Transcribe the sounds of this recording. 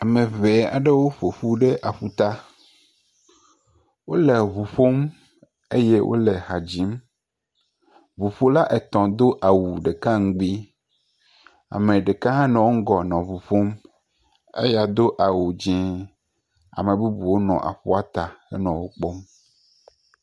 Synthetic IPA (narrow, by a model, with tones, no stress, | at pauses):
a˨mẽ˨ve˨a̰˨ɖe˦wo˦ɸo˨ɸu˦ɖe˦ʔa˨ɸu˦t̪a˦ | wo˦le˨βu˨ɸo˦m | e˦je˦wʔo̰˦le˨ha˨d͡ʑi˨˦m | vu˨ɸo˦la˦ʔe˨t̪ɔ̃˨d̪o˦ʔa˨wu˨ɖe˨ka˦ŋ̩˦ɡ͡bi˦ | a̰˨mẽ˨ɖe˨ka˦ɦã˦nɔ̃˨wo˦ŋ̩˦ɡɔ˨nɔ̃˨βu˨ɸo˦m | ḛ˦ja˨d̪o˦ʔa˨wu˨d͡ʑĩ˦ | a̰˨mẽ˨bu˦bu˨wo˦nɔ̰̃˨ʔa̰˨ɸu˦a˦t̪a˨ɛ̰˦nɔ̃˨wo˦k͡pɔ˦m